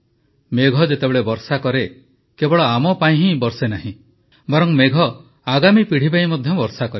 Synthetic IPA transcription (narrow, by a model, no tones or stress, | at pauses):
meɡʱɔd͡ʒet̪ebeɭebɔɾsakɔɾe | kebɔɭɔamɔpaĩɦĩbɔɾsenaɦĩ | bɔɾɔŋmeɡʱɔ | aɡamipiɽ̤ibaimɔd̪ʱjɔbɔɾsakɔɾe